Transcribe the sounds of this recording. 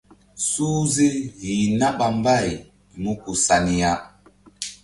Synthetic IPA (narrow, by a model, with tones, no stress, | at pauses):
suː˦ze˦ɣi˨na˦ɓa˨m˦ba˦˨j | mu˦ku˨sa˨ni˦ja˦